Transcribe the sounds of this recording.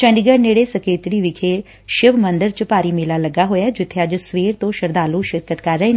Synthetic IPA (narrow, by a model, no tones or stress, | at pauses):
t͡ʃəɳɖiɡəɾneːɽeːsəkeːt̪ɾiːʋɪkʰeː | ʃɪʋmənd̪əɾt͡ʃəpaːɾiːmeːlaːləɡaːɦoːjaːd͡ʒɪt̪ʰːeːəd͡ʒsʋeːɾt̪õːʃəɾd̪aːlũːʃɪɾkət̪kəɾːəeː